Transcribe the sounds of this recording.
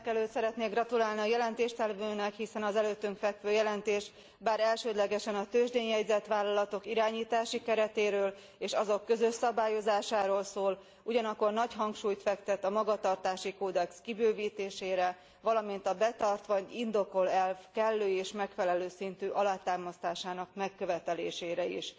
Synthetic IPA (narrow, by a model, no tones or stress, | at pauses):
kɛløːt̪sɛɾɛt̪neːɡrɒt̪ulaːlniɒjɛlɛnt̪eːʃt̪ɛlvøːnɛkhisɛnɒzɛløːt̪ːyŋkfɛkʋøːjɛlɛnt̪eːʃ | baːɾɛlʃøːd̪lɛɡɛʃɛnɒt̪øʒd̪eːɲjɛɟzɛt̪ʋaːlːɒlɒt̪o̞kiɾaːɲiːt̪aːʃikɛɾɛt̪eːɾøːl | eːʃɒzo̞kːø̞zøʃsɒbaːjo̞zaːʃaːɾoːlsoːl | uɟɒnɒkːo̞rnɒcɦɒŋkʃuːjt̪fɛkt̪ɛt̪ːɒmɒɡɒt̪ɒrt̪aːʃikoːd̪ɛkskibøːviːt̪eːʃeːɾɛ | vɒlɒmint̪ɒbɛt̪ɒrt̪ʋɒɟind̪o̞ko̞lɛlfkɛlːøːeːʃmɛkfɛlɛløːsint̪yːʔɒlaːt̪aːrmɒst̪aːʃaːnɒkmɛkːø̞vɛt̪ɛlḛːʃeːɾɛḭʃ